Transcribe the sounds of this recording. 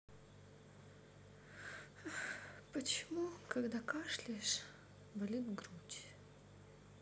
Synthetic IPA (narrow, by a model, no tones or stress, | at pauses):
pət͡ɕɪmukɐɡd̪akaʂlʲɪʂ | bɐlʲit̪ɡɾutʲ